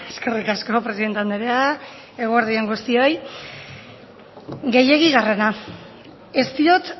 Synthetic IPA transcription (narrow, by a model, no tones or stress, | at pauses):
eske̞rikasko̞pɾesiðent̪eand̪eɾea | e̞ɣ̞oeɾðieŋɡust̪io̞j | ɡe̞je̞ɣiɣare̞na | e̞st̪io̞t̪